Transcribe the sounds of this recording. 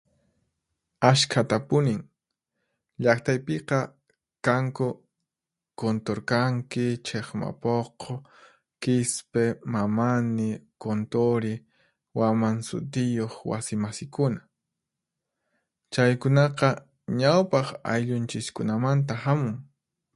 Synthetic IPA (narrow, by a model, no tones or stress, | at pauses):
aʃkʰat̪apʊnɪŋ | ʎakt̪ajpeqɑ | kaŋkʊ | kont̪oɾkaŋkɪt͡ʃʰeχma̰poqʰo | kɪspemamanɪkont̪oɾɪ | wamaŋsʊ̰t̪ɪjoχwa̰sɪmasɪkʊna | t͡ʃajkʊnɑqɑ | ɲawpɑχa̰jʎʊnt͡ʃɪskʊnamant̪ahamʊŋ